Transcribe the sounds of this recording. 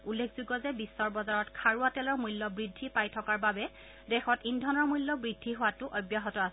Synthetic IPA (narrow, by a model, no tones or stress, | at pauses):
ulːekʰz̥uɡɔzɛbisːɔɹbɔzaɹɔtkʰaɹuatɛlɔɹmulːɔbɹidʱːipajtʰɔkaɹbabɛ | dɛxɔtindʱɔnɔɹmujlːɔbɹidʱːiɦʊwatʊʔɔjbjaɦɔtɔasɛ